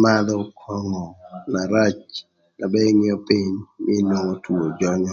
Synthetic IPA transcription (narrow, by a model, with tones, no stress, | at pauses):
ma˦d̪ɔ˦kʰɔ˦ŋɔ˨na˨ɾa˦t͡ʃ | na˨bɛ˦ŋɪ˦ɔ˦pi˦ɲm˦e˦no˦ŋɔ˦tu˨o˨d͡ʒɔ˦ɲɔ˦